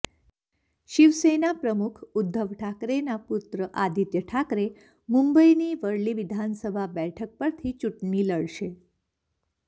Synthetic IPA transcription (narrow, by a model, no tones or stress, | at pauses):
ɕiʋsenapɾəmukʰud̪ʱːəʋʈʰakɾenaput̪ɾəʔad̪ʱit̪jəʈʰakɾe | mumbəiniːʋəɽliːʋid̪ʱansəbʱabɛʈʰək̚pəɾt̪ʰiːt͡ɕuʈɳiːləɭɕe